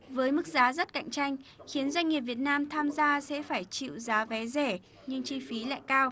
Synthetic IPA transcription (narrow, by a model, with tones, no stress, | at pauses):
vəː˨˦jmɨ˦˥k̚zaː˨˦zə˦˥t̚ka̰˧˨jŋ̟t͡ɕa˧jŋ̟xi˨˦ənzwa˧jŋ̟ŋːi˨˩p̚vi˨˩ət̚naː˧mt̪ʰaː˧mzaː˧sɛ̰˧˥faː˧˩jt͡ɕḭ˧˨wzaː˨˦vɛ˨˦zɛ˧˩ | ɲɨ˧ŋt͡ɕi˧fi˨˦la̰ː˧˨jkaː˧w